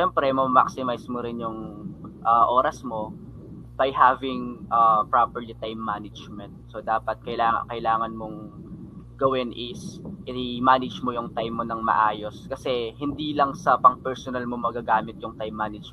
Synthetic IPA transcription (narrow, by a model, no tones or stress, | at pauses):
ʃɛmpɾɛmɐmɐma̰ksɪmajsmoɾɪnjʊŋʔɐːʔo̞ːɾɐsmo̞ | b̥ɐjɦaːvɪŋʔapɹapɛɹlit̪ajmːanɪd͡ʒmɛnt̪̚sod̪aːpɐt̪̚kɐɪlaːŋ̰kɐʔɪlaːŋɐnmoŋ | ɡɐwɪnʔɪsʔɪɪmaːnɐd͡ʒmojʊŋt̪ajmːonɐŋmɐ̰ʔaːjo̞skɐsɛhɪnd̪iːlɐŋsɐpɐŋpɛɹsonɐlmomɐɡaɡaːmɪt̪̚jʊŋt̪ajmːaːnɪd͡ʒ